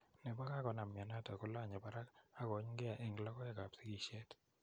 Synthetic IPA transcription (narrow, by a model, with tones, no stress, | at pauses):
nɛ˨ba˦ka˦kɔ˨˦na˨m˨a˨na˦˨ta˨ko˦la˦˨ɲɛ˨ba˦ɾa˦ka˦ɡɔ˨˦ɲɡɛ˦a˨ʔe˦˨ŋlɔ˦kɔ˦ɛ˦˨ka˨psi˦ɡi˨ʃe˦t